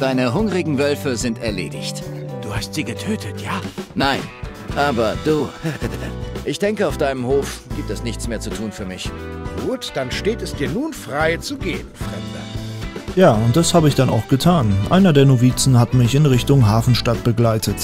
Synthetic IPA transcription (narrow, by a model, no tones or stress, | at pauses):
d̥aɪnəɦʊŋʁɪɡŋ̩vœlfəzɪntɛɐlḛːdɪçtd̥uːhastz̥iːɡətʰøːtʰətʰjaːnaɪn | ʔaːbɐd̥uː | ʔɪçd̥ɛŋkəaʊfd̥aɪnəmhoːfɡ̥iːp̚tɛsnɪçt͡smeːɐt͡sutʰuːnfyːɐmɪçɡ̥uːtd̥anʃteːtɛsd̥iːɐnuːnfʁ̥aɪt͡suɡḛːb̚m̩fʁ̥ɛmd̥ə | jaːʊnt̚d̥ashaːbəɪçd̥ana̰ʊxɡ̥ətʰaːnʔa̰ɪnɐdeːɐnoviːt͡sn̩hatmɪçɪnʁɪçtʊŋɦaːfn̩ʃtat̚b̥əɡlaɪtʰət